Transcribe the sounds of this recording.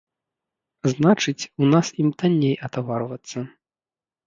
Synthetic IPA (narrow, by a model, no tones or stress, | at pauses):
znat͡ʂɨt͡sʲunasimt̪anʲːejɐt̪avaɾvɐt̪sːɐ